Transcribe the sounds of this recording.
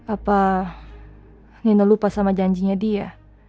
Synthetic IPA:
apa | ninɔlupasamad͡ʒaɲd͡ʒiɲadia̰

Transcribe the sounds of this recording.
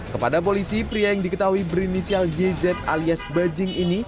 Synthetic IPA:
kəpadap̬olisipɾiajaŋdikət̪aɦuibəɾinisialjɛzɛt̪̚a̰liasbad͡ʒɪŋini

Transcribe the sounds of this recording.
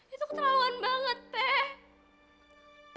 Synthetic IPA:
it̪ʊk̚t̪ɾawanbaŋət̪̚pɛ

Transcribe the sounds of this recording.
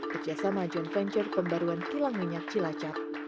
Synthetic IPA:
kəd͡ʒasamad͡ʒɔnfɛɲt͡ʃərpəmbaɾuankilaŋmiɲak̚t͡ʃilat͡ʃap̚

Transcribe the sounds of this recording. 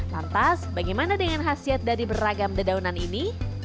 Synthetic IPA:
la̰nt̪asbaɡajmanadəŋanɦasiat̪̚dadibəraɡamdədaunanini

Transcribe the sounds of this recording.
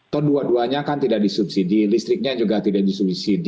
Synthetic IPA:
t̪ɔduaduaɲakant̪idaʔk̚disup̚sidilist̪ɾɪk̚ɲad͡ʒuɡat̪idaʔdisubsid

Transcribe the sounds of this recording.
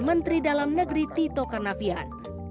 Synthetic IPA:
mənt̪ɾidalamnəɡɾit̪it̪okarnafiat̪̚

